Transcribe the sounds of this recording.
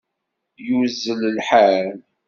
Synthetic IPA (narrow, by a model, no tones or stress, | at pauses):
juzːələlħal